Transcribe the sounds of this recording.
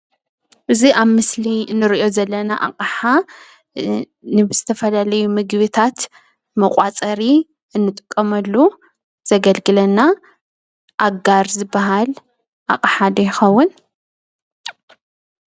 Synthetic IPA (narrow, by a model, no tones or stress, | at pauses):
ʔɨziʔaβmɨslinːɨɾiʔo̞zɐlːɐnaʔa̰qʼaħa | nɨbɨz̥ɨt̪ʰɐfɐlalɐjumɨɡβɨt̪ʰat̪ | mɐkʼat͡sʼɐɾi | ɨnːɨt̪ʼɨkʼːɐmɐlːu | z̥ɐɡɐlɡɨlɐnːa | ʔaɡaɾzɨbːaɦal | ʔa̰kʼaħad̪ɐjɪxɐwːʊn